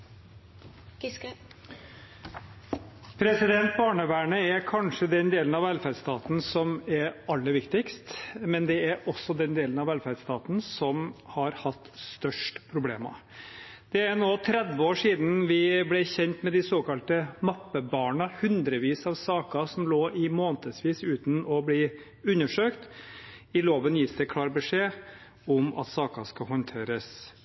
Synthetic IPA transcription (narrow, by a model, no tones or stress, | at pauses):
pʰɾɛsɪd̪ɛnt̪̚bɑːɳəʋæːɳəæɾkʰɑnʂəd̪ɛnd̪eːlənɑʋɛlfæd̪st̪ɑːt̪n̩sɔmɛɾɑlːəɾʋɪkt̪ɪkst̪mɛnd̪ɛæɾʔɔsːɔd̪ɛnd̪eːlənɑʋælfæɾd̪st̪ɑːt̪n̩sɔmhɑɾhɑt̪ːst̪œʂʈpʰɾʊbleːmɑ̰ | d̪̥ɛæɾnoːt̪ʰɾɛd̪ʋəoːʂiːd̪n̩ʋɪblɛçɛnt̪mɛd̪ɪsoːkɑlt̪əmɑpːəbɑːɳɑhʉnd̪ɾəʋiːsɑʋsɑːkɑsɔmloːʔɪmoːnt̪əsʋiːsʉːt̪n̩ɔbliː | ʉnːəʂøːkt̪ | ɪloːʋənjɪːsd̪ɛkʰlɑːɾbəʂeː | ɔmɑ̰t̪sɑːkɑskɑɦɔnt̪ʰeːɾəs